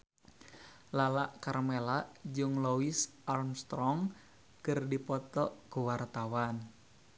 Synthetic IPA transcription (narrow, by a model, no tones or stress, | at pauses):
lalaʔkarmelaʔd͡ʒɨŋlowisʔarmst̪ɾɔŋ | kɨrdipɔt̪ɔʔɡuwart̪awan